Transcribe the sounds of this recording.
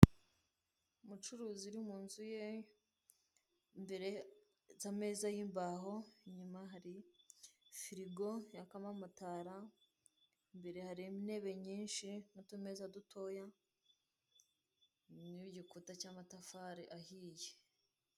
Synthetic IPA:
umut͡ʃuɾuːziuɾimuːnzuje̞ | mbe̞ɾe̞ | zame̞ːzajiːmbaɦo̞ɲumaɦaɾi | fiɾiɡo̞jakamamataːɾa | mbe̞ɾe̞haɾimine̞βe̞ɲiːnʃinutumezadutʰo̞ja | niɟikutacamatafaɾeʔahiːje

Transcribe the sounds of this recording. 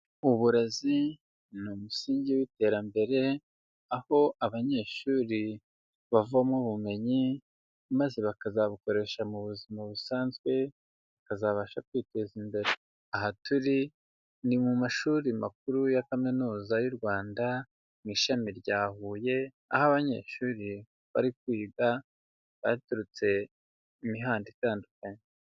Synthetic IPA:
uβuɾazi | numusiːɲɟiwite̞ːɾambe̞ɾe̞ | aho̞ʔaβaɲe̞ːʃuːɾi | βavuamuβume̞ɲi | maze̞βakazaβuko̞ɾe̞ʃamuβuzimaβusaːnzɡwe̞ | βakazaβaʃakwiːte̞zimbe̞ɾe | aɦatuɾi | nimumaʃuɾima̰k̚uɾujakaminuːzajuɾɡwaːnda | niːʃamiɾɟaːhuːje̞ | a̰haβaɲe̞̰ːʃuɾi | βa̰ɾik̚wiːɡa | βa̰tuɾut͡se̞ | imiɦaːnditaːndukaɲe

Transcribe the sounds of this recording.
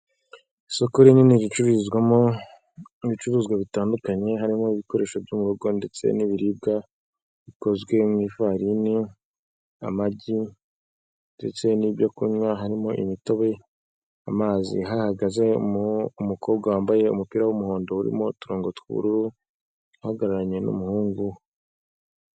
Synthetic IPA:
iso̞koɾininizit͡ʃuɾizɡwamo̞ | iit͡ʃuɾuːzɡwaβitaːndukaɲe̞ɦaɾimo̞iβiko̞ɾe̞ːʃobjumuɾoɡo̞nde̞t͡se̞̰niβiɾib̚ɡa | βiko̞zwe̞mŋiːfaɾini | amaɟi | nde̞t͡se̞nibjokuɲwaɦaɾimo̞ʔimito̞βe̞ | amaːzḭɦahaɡaze̞mumukʰo̞ːb̚ɡawaːmbaje̞ṵmupiɾawumuho̞ːndo̞uɾḭmo̞tuɾoːŋɡo̞tuβṵɾuɾu | haɡaɾaɾaɲe̞nṵmuhuːŋɡu

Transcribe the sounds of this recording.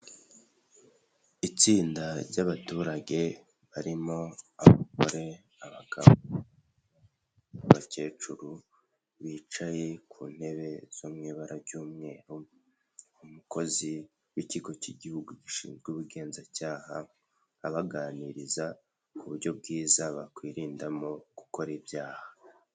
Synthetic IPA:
it͡siːndaɾɟaβatuːɾaɟe̞ | βaɾimo̞aβako̰ɾe̞ | aβaɡ̥a̰βo | βace̞ːt͡ʃuɾu | βiːt͡ʃaje̞kʰṵːn̥he̞βe̞z̥omŋiːβaɾaɾɟuːmŋe̞ːɾu | umuko̞zi | wiciɡo̞ciɟihuɡuɟiʃḭːmzɡuːβuɡe̞ːnzacaːhaː | βaɡaːniɾiza | kuβuɾɟo̞b̚ɡiːzaβakwiːɾiːndamo̞ɡ̥uko̞ɾibjaːha

